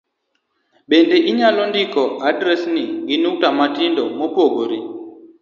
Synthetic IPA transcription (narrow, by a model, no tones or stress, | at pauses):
bendɛʔiɲalɔndikɔʔadɾɛsniɡinuk̚tamatindɔmopoɡoɾi